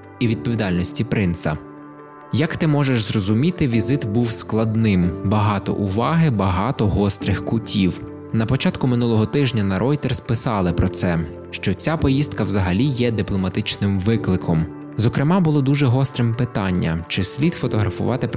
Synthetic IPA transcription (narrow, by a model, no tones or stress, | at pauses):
iʋʲid̪̚pɔʋʲid̪ɑlʲnɔsʲtʲipɾɪnsɐ̰ | jɐkt̪ɪmɔʒeʃzrɔzʊmʲit̪ɪʋʲizɪt̪buwsklˠɐd̪nɪmbɐɦɑt̪ɔ̰ʔʊʋɑɦɪbɐɦɑt̪ɔɦɔst̪ɾɪxkʊtʲiw | nɐpɔt͡ʃɑt̪kʊmɪnulˠɔɦɔt̪ɪʒnʲɐnɐɾʔɔjt̪ɛrspɪsɑlˠɪpɾɔt̪sɛ | ʃt͡ʃɔt͡sʲapɔjist̪kɐwzɐɦɐlʲijɛd̪ɪplˠɔmɐt̪ɪt͡ʃnɪmʋɪklˠɪkʰɔm | zɔkɾɪmɑbʊlˠɔd̪uʒɛɦɔst̪ɾɪmpɪt̪ɑnʲːɐ̰t͡ʃɪsʲlʲid̪fɔt̪ɔɦɾɐfʊ̰ʋɑt̪ɪp